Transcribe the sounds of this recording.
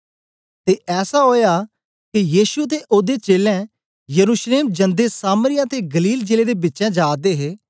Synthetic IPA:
t̪eːʔɛːsaːɦoːjaː | kijiːʃʊt̪eːʔoːd̪eːt͡ʃeːlɛ̃ː | jəɾuːʃleːmd͡ʒə̃nd̪eːsaːməɾɪjãːt̪eːɡəliːld͡ʒeːleːd̪eːbɪtːʃɛ̃ːd͡ʒaːd̪eːɦeː

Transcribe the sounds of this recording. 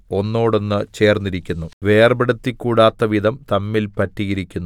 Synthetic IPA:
o̞nːo̞ːɽo̞nːɨt͡ɕe̞ːrnːiɾikʲːunːuʋe̞ːrbeɽɐt̪ːikːuːɽaːt̪ːɐʋid̪ʱɐmt̪ɐmːilpɐtːiɣɐɾikʲːunːu

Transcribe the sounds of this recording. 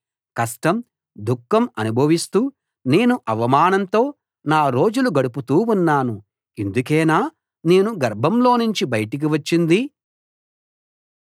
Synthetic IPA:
kɐsʈɐm | d̪ukːɐmɐnubʱɐʋist̪uː | ne̞ːnuʔɐʋɐmaːnɐnt̪o̞ː | naːɾo̞ːd͡ʒuluɡɐɽup̬ut̪uːunːaːnu | end̪uk̬ɛːnaː | ne̞ːnuɡɐɾbʱɐmlo̞ːnuɲt͡ʃibɐjɐʈik̬iʋɐt͡ʃːind̪i

